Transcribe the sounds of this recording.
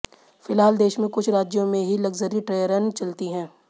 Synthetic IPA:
fɪlɦaːld̪eːʃmẽkʊt͡ʃʰɾaːd͡ʒjõmẽɦilɐɡzəɾiʈɾeːjəɾənt͡ʃɐlt̪iɦɛ̃ː

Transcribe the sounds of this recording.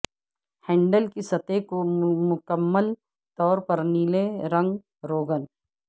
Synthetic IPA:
hɛ̃ːɳɖəlkisɐt̪ekomʊkəmːəl | t̪ɔːɾpɐɾniːleɾɐ̃ŋɡ | ɾoːɡən

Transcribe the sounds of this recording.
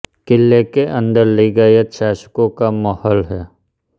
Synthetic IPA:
kɪlːekeʔə̃nd̪əɾliɡəjeʃaːʃə̥kõkamɔhɔlɦɛː

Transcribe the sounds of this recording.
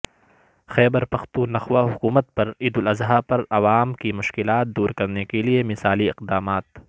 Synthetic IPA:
xɛːbəɾpɐxt̪ũːnɐxwaɦʊkuːmət̪̚pɐɾɪd̪ʊlɐzɦapɐɾɐʋaːmkimʊʃkɪlaːt̪̚d̪uːɾkɐɾnekeliemɪsaːliɪq̚d̪aːmaːt̪

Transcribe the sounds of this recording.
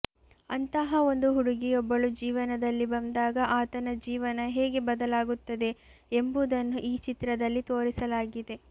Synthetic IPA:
ɐnt̪ɐɦɐo̞nd̪uɦuɽuɡiɔbːɐɭud͡ʒiːʋɐnɐd̪ɐlːibɐnd̪aːɡɐʔaːt̪ɐnɐd͡ʒiːʋɐnɐɦeːɡe̞bɐd̪ɐlaːɡut̪ːɐd̪e̞ | embud̪ɐnːuʔiːt͡ʃit̪ɾɐd̪ɐlːit̪oːɾisɐlaːɡid̪e̞

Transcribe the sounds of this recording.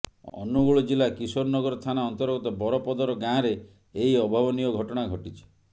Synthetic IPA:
ɔ̰nuɡuɭɔd͡ʒilakisoɾnɔɡɔɾɔt̪ʰanaɔnt̪ɔɾɡɔt̪ɔbɔɾɔpɔd̪ɔɾɔɡãɾe | eɦiɔbʱabɔnijɔɡʱɔʈɔɽ̃aɡʱɔʈit͡ʃʰe̥

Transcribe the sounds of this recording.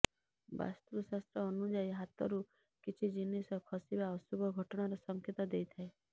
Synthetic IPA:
ba̰st̪uɾsast̪ɾɔːnud͡ʒajɦat̪ɔɾu | kit͡ʃʰid͡ʒinisɔkʰɔsibaɔsubʱɔɡʱɔʈɔɽ̃aɾɔsɔŋkʰit̪ɔd̪ejt̪ʰae

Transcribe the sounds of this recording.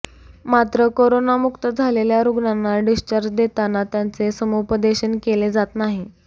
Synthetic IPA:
mat̪ɾəkoɾonamukt̪əd͡zʱaleljaɾuɡɳanːaɖist͡ɕəɾd͡ʑd̪et̪anat̪jant͡sesəmopəd̪eɕənkeled͡zat̪naɦi

